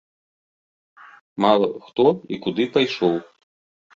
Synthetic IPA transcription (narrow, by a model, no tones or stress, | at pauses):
malˠɐxt̪ɔikud̪ɨpajʂɔw